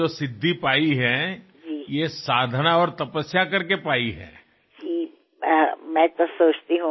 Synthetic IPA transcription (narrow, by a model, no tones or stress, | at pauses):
osɪd̪ʱːipaːiɦɛ | d͡ʒiːjesaːd̪ʱənaɔːɾt̪ɐpəsjakɐɾkepaːiɦɛ̰ː | d͡ʒiː | mɛ̃t̪osoːt͡ʃt̪iɦũ